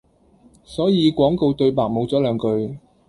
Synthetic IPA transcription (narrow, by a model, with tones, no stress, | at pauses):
sɔː˨˥jiː˨˧kʷɔː˨˥ŋko˨˧wt̪ɵ˧ɥpaː˨k̚mo˨˧wt͡sɔː˨˥lœː˨˧ŋkɵ˧ɥ